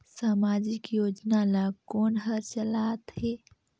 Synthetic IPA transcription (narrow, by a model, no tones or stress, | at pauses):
saːmaːd͡ʒɪkjoːd͡ʒnalaɡkoːnɦəɾt͡ʃəlaːt̪ɦeː